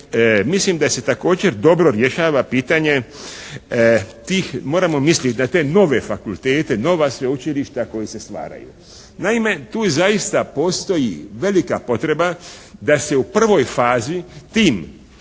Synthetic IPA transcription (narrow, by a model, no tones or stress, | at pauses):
mislimd̪ase̞t̪ako̞ːd͡ʑe̞ɾd̪o̞bɾo̞ɾje̞ʃaːʋapiːt̪aɲe̞ | t̪iːxmo̞ːɾamo̞mislʲit̪ʲnat̪e̞no̞ʋe̞fakult̪e̞ːt̪e̞no̞ʋasʋeut͡ʃiliʃt̪ako̞jise̞st̪ʋa̰ːɾa̰jṵ | naime̞t̪uːzajist̪apo̞ːst̪o̞jiʋe̞likapo̞t̪ɾe̞bad̪ase̞upr̩ʋo̞jfaːzit̪iːm